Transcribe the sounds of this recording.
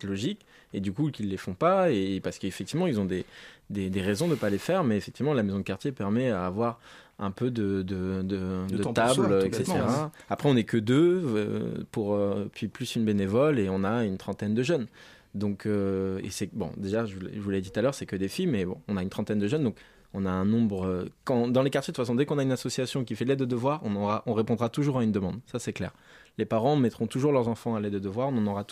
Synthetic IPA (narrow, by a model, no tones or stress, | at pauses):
lɔʒik | ed̪ykukilːefɔ̃paepaʁsə̥kəefɛk̚t̪ivmɑ̃ilzɔ̃d̪ed̪ed̪eʁezɔ̃d̪əpalefɛʁmɛefɛkt̪ivmɑ̃lamezɔ̃d̪əkaʁt̪jepɛʁmɛavwaʁ | ɛ̰̃pød̪əd̪əd̪əd̪ət̪ablɛkset̪eʁaapχɛɔ̃nɛkəd̪ø̰ | puʁøpɥiplysynbenevɔleɔ̃naynt̪χɑ̃t̪ɛnd̪əʒœn | d̪ɔ̃kʰøḛsɛbɔ̰̃d̪eʒaʒəvulɛ̰ʒəvulɛd̪it̪ut̪alœʁsɛkəd̪efimɛbɔ̰̃ːnaynt̪χɑ̃t̪ɛnd̪əʒœnd̪ɔ̃k | ɔ̃naɛ̃nɔ̃bʁøkɑ̃d̪ɑ̃lekaʁt̪jed̪tfasɔ̃d̪ekɔ̃naynasɔsjasjɔ̃k̬ʲifɛlɛd̪əd̪əvwaʁɔ̰̃nɔ̃ʁaʔɔ̃ʁepɔ̃d̪ʁat̪uʒuʁaynd̪əmɑ̃d̪sasɛklɛ̰ʁ | lepaʁɑ̃mɛt̪χɔ̃t̪uʒuʁlœʁzɑ̃fɑ̃alɛd̪əd̪əvwaʁɔ̃nɑ̃nɔʁat̪